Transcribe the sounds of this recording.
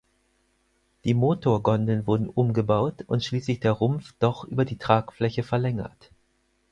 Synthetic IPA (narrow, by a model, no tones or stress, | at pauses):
d̥iːmoːtʰoːɐɡɔndənvʊɐdn̩ʔʊmɡəbaʊtʊntʃliːslɪçd̥eːɐʁʊmfd̥ɔχʔy̰ːbɐdiːtʁ̥aːkflɛçəfɛɐlɛŋɐ̰t